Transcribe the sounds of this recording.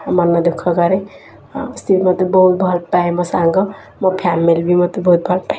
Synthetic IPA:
mʌnːʌd̪ukʰʌɡʌɾe | st̪ʰit̪mʌt̪ebʌɦut̪̚bʱʌlpaẽmʌsaŋɡʌ | mʌpʰjamːelbimʌt̪ebʌɦut̪̚bʱʌlpa

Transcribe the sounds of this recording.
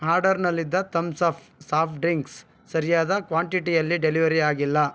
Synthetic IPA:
aːɾɖɐɾnɐlːid̪ːɐt̪ɐmsɐp | saːpʰɖɾiŋks | sɐɾijaːd̪ɐkʋaːɳʈiʈijɐlːiɖeliʋɐɾiaːɡilːɐ

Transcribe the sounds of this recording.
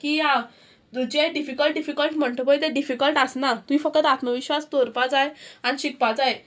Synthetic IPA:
kiã | d̪ud͡ʑajɖifikəlʈ̚ɖifikəlʈm̤əɳʈəpəjt̪eɖifikəlʈəsnat̪uɦifək̚t̪ət̪at̪məʋiɕʋast̪oɾpad͡zajaniɕik̚pad͡zaj

